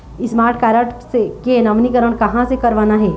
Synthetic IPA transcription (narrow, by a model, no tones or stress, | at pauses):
ɪsmaːɾʈ̚ʰkaːɾəʈsekenɐʋnikəɾəɽ̃kɐɦãsekɐɾʋaːnaɦɛː